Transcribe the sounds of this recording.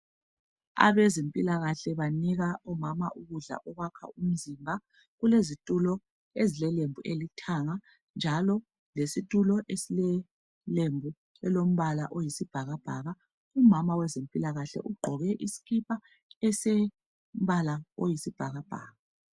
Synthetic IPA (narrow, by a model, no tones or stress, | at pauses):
a̰βezempʼilaɣaɬɛβaniɣaɔmamaʔuɣuɮa̰ʔɔɣwakʰa̰um̩zimbʱa | ɣulezitʼulɔ | ezilɛlembʱuʔelitʰaŋa | nd͡ʒʱalɔ | lesitʼulɔʔesilɛ | lembʱu | ɛlom̩βala̰ʔojisib̥ʱaɣab̥ʱaɣa | umamawɛzempʼilaɣaɬɛ̰ʔuɡ͡ǃʱɔɣɛʔisi̥ɣʰipʰa | ɛse | m̩βalaojisib̥ʱaɣab̥ʱa̰ːɣa